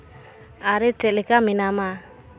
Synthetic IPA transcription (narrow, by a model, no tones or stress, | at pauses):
aɾit͡ʃɛlikaminama